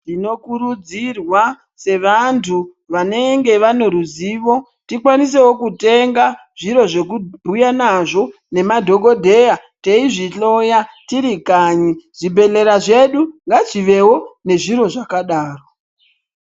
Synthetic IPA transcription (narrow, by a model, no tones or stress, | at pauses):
tino̞kuɾud͡zirwa | se̞ʋantʰu | ʋane̞ŋɡe̞ʋano̞ɾuziːʋo̞ | tikwanis̬e̞wo̞kute̞ŋɡa | ʐ̥iɾo̞ʐe̞k̬ubʱujanaʐo̞ | ne̞madʱo̞ɡo̞dʱe̞jate̞iʐiɬo̞jatiɾikaɲiʐ̥ibʱe̞le̞ɾaʐe̞ɗuŋɡat͡ʃiʋe̞wone̞ʐiɾo̞ʐakaɗaːro